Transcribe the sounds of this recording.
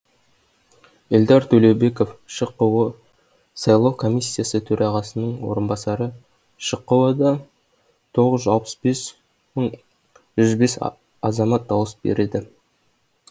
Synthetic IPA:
ɪld̪ɑɾt̪ʰɵlewbe̞ko̞fʃəqːəwə | sɑjlˠɑwkʰo̞mʲijsʲːijasət̪ʰɵɾʔɑʁɑsənəɴwo̞̰ɾənbɑsɑɾə | ʃəqːəwɑd̪ɑ | t̪ʰo̞ʁəzʒɑlˠpə̥sbe̞s | məɴ | ʒʏzbe̞s | ɑzɑmɑt̪̚d̪ɑwəsbḛɾed̪ɪ

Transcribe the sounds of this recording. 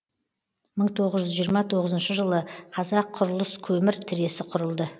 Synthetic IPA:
məɴt̪ʰo̞ʁəzʒʏzʒijəɾmɑt̪ʰo̞ʁəzənʃəʒəlˠəqʰɑzɑqʰːʊɾəlˠəskʲʰɵmɪɾt̪ʰɪɾe̞sɪqʰʊɾəlˠd̪ə

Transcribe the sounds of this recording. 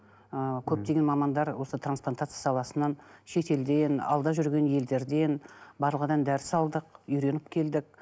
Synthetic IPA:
əkʲʰɵp̚t̪e̞ɡʲe̞nmɑmɑnd̪ɑɾwo̞sət̪ʰɾransplˠant̪at̪sɨjasɑlˠɑsənɑnʃe̞t̪e̞ld̪e̞nɑ̰lˠd̪ɑʒʏɾɡʲe̞nje̞ld̪e̞ɾd̪e̞nbɑɾlˠəʁəd̪ɑnd̪æɾɪsɑlˠd̪əqʏjɾe̞nɪp̚kʲʰe̞ld̪ɪk̚

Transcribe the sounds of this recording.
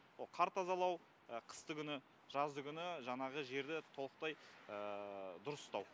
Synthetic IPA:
oqʰɑɾt̪ɑzɑlˠɑw | əqʰə̥st̪əɡʲʏnɪ | ʒ̥ɑzd̪əɡʲʏnɪʒɑɴɑʁəʒe̞ɾd̪ɪt̪ʰo̞lˠəq̚t̪ɑjəd̪ʊɾəsst̪ɑw

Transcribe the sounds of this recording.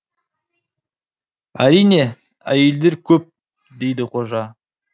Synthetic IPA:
æɾijne̞ | æ̰jeld̪e̞ɾkʲʰɵp̚ | d̪e̞jd̪ɪqʰo̞ʒɑ

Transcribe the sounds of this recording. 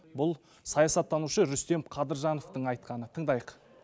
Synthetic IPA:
bʊlˠ | sɑjɑsɑt̪ʰːɑnuʃəɾʏst̪e̞mqʰɑd̪əɾʒɑno̞ft̪əɴɑjt̪̚qɑnət̪ʰəɴd̪ɑjəq

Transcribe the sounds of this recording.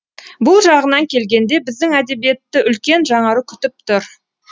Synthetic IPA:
bʊlˠʒɑʁənɑŋkʲʰe̞lɡʲe̞nd̪e̞bɪzd̪ɪŋæd̪e̞bije̞t̪ːɪʏlkʲe̞nʒɑɴɑɾəkʲʰʏ̥t̪ɪp̚t̪ʰʊɾ

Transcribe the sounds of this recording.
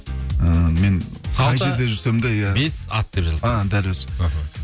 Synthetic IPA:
əme̞nsɑjʒe̞ɾd̪eʒʏɾsemd̪ejæbesɑ̰t̪̚d̪epʒəlˠad̪ælwøz̥ɦa

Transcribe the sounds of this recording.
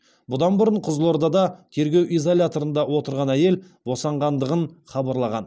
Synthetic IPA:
bʊd̪ɑnbʊɾəɴqʰʊzlˠoɾd̪ɑd̪ɑt̪ʰe̞ɾɡʲe̞wʔijzo̞lʲat̪o̞ɾənd̪ɑwo̞t̪əɾʁɑnæje̞l | bo̞sɑɴʁɑnd̪əʁənχɑbɑɾlˠɑʁɑ̰n

